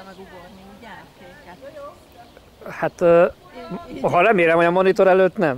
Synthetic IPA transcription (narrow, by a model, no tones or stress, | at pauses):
hat̪ː | ɦɒɾɛmeːlɛmhoɒmo̞nit̪o̞ɾɛløːt̪nɛm